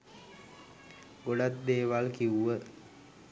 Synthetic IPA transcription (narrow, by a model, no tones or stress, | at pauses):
ɡoɖat̪̚d̪eːʋalkiuʋə